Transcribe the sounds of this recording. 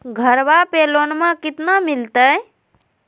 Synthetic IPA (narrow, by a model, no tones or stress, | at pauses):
ɡʱəɾbapeːloːnmãkɪt̪namɪlt̪ə